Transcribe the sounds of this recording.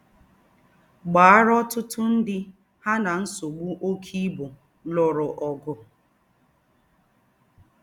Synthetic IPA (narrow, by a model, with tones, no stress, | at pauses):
ɡ͡baː˨a˦ɾɔ˦tʊ˦tʊ˦n̩˦dɪ˦ | ha˦na˨n̩˦so˨ɡ͡bu˦ʔo˦kʰi˦bʊ˨ | lɔ˨ɾʊ˨ʔɔ˨ɡʊ˨